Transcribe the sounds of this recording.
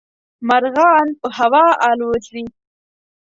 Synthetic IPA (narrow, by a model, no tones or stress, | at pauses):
maɾɣɑnpəhawɑːɑlwotli